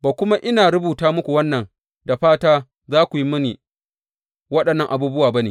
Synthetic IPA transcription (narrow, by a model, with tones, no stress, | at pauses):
baː˨kʷʊ˦ma˦ʔɪ˦naː˨ɾʊ˦buː˨taː˦mʊ˦kʷu˨wɐ˦nːɐ˨ŋ | da˨ɸaː˦taː˦ | zaː˦kʷu˨ji˦mʊ˦niː˨ | wɐ˦ɗɐ˨nːɐ˦˨ŋʔa˨buː˦bʊ˦waː˨ba˦neː˨